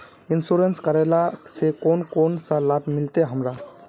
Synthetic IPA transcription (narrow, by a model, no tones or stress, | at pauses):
insuɾenskəɾalasekonkonsalabmilt̪eɦəmɾa